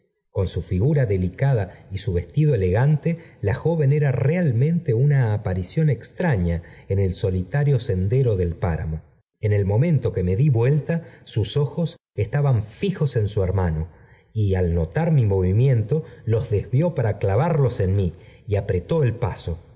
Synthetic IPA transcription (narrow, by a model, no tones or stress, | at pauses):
ko̞nsufiɣuɾaðe̞likaðaisuβe̞st̪iðoele̞ɣant̪e̞laxo̞βe̞ne̞ɾarealmẽ̞nt̪e̞unaːpaɾisjo̞ne̞kst̪ɾaɲaenelso̞lit̪aɾjo̞se̞nd̪e̞ɾo̞ðe̞lpaɾa̰mo̞ | ene̞lmõ̞mẽ̞nt̪o̞ke̞me̞ðiβwe̞lt̪asuso̞xo̞s | est̪aβaɱfixo̞se̞nsueɾmano | ialno̞t̪aɾmimo̞βimjẽ̞nt̪o̞lo̞zðe̞zβjo̞paɾaklaβaɾlo̞se̞nmiiapɾe̞t̪o̞elpaso̞